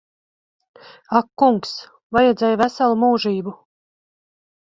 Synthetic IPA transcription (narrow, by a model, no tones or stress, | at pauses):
akːuŋks | vajɛd̪zɛjvæsalˠumuːʒiːbu